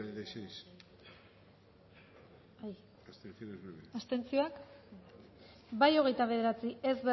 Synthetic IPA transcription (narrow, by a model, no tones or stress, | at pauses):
iðajsejs | aj | ast̪enθionezβeβeast̪e̞nt͡sioak | bajo̞ɣ̞e̞jt̪aβ̞e̞ðe̞ɾat͡sie̞zβe